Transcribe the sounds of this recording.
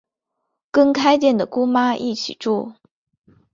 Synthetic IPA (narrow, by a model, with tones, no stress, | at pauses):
kɤ˥˧ŋkʰa˥ɪt͡ɕjɛ˥˩nd̪ə˩ku˥ma˥ʔi˥˩t͡ɕʰḭ˨˩ʈ͡ʂu˥˩